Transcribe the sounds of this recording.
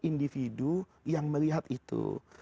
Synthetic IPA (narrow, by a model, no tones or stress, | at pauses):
indifidu | jaŋməliɦat̪it̪ṵ